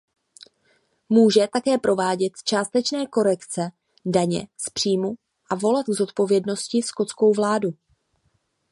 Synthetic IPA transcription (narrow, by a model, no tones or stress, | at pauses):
muːʒɛt̪akɛːpɾo̞vaːɟɛt̪t͡ʃaːst̪ɛt͡ʃnɛːko̞ɾɛkt͡sɛ | daɲɛ̰spr̥iːmu | ʔavo̞lat̪ɡzo̞t̪po̞vjɛdno̞scɪsko̞t͡sko̞wvlaːdu